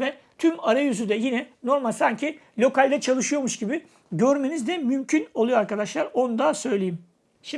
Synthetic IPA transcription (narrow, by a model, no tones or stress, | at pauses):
vɛ | t̪ʰymaɾajyzyd̪ɛjinɛno̞ɾmalʲsaɲcʰilʲo̞kalʲd̪ɛt͡ʃʰalˠɯʃɯjo̞ɾmuʃɟibɪ | ɟøɾme̞nizd̪ɛmymcʰyno̞lˠujo̞aɾkad̪aʃlˠaɾo̞nud̪asø̞jlʲejim | ʃi